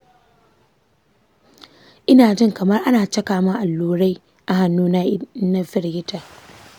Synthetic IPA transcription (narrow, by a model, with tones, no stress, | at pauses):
ʔɪ˦naː˨d͡ʒɪ˦ŋkɐ˨mɐ˦rʔa˦naː˨t͡ʃɐ˦kaː˨ma˦ʔa˨lːuː˦ɽa˦j | ʔa˨ha˨nːuː˦na˦na˦ɸɪ˦rɡɪ˦taː˨